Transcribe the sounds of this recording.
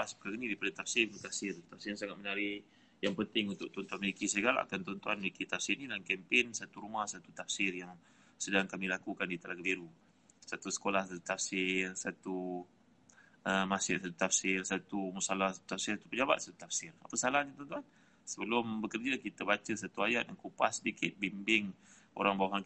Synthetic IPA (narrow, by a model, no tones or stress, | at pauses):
paspəkaɣənidaipadət̪afsɪunt̪ut̪afsɪrt̪afsɪɾnsaŋat̪̚mənaɾi | jaŋpənt̪ɪŋunt̪ʊʔ̚t̪ɔnt̪uanməlikisəɡala̰ʔa̰kant̪ɔnt̪uanməlikit̪afsɪrnidankɛmpɪnsat̪uɾumahsat̪ut̪afsɪrjaŋ | sədaŋkamilakukandit̪əlaɡəbiɾu | sat̪usə̥kolahsat̪ut̪afsɪrsat̪u | əmasɪ̰ʔsat̪ut̪afsɪrsat̪umusalahsat̪u̥t̪afsɪrsat̪u̥pəd͡ʒabat̪̚sḁt̪u̥t̪afsɪra̰pəsalahaɲat̪ɔnt̪uan | səbəlʊmbəkərd͡ʒəkit̪əbat͡ʃəsat̪uajat̪̚dankupa̰sədikɪt̪̚bimbɪŋ | o̰ɾaŋbawaɦan